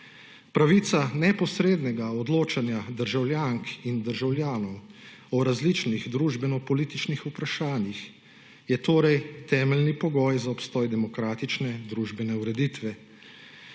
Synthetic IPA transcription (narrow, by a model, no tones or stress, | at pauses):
pɾaʋit̪sanɛpɔsɾeːd̪nɛɡaɔd̪loːt͡ʃanjad̪əɾʒawlʲjaŋkind̪əɾʒawljaːnɔw | ɔɾazlit͡ʃniɣd̪ɾuːʒbɛnɔpɔliːt̪it͡ʃnixupɾaʃaːnjix | jɛt̪oːɾɛjt̪ɛːmɛlnipɔɡɔːjzaɔpst̪ɔːjd̪ɛmɔkɾaːt̪it͡ʃnɛd̪ɾuʒbɛnɛuɾɛd̪it̪ʋɛ